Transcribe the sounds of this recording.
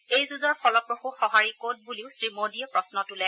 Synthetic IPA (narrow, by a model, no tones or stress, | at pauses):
ejzuzɔɹfʰɔlɔpɹoxuxɔɦaɹikot̚buliʊsɹimodiɛpɹɔsnɔtulɛ